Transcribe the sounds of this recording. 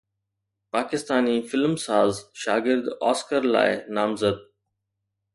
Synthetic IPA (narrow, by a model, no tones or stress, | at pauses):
paːkɪst̪aːnifɪlmsaːzʃaːɡɪɾd̪aːskəɾla̰ːɪnaːmzəd̪̚